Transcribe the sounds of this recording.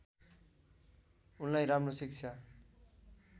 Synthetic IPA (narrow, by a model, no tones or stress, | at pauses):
unlajɾamrosik̚t͡sʰa